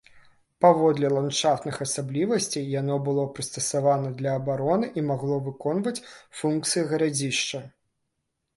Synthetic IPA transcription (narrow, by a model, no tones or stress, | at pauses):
pavɔd̪lʲɛlˠant͡ʂaft̪nɨxɐsablʲivɐsʲt͡sʲijjanɔbɨlˠɔpɾɨst̪ɐsavanɐd̪lʲɐːbaɾɔnɨʔimaɣlˠɔvɨkɔnvɐt͡sʲfunk̚t̪sɨjiɣɐɾad͡zʲiʂt͡ʂɐ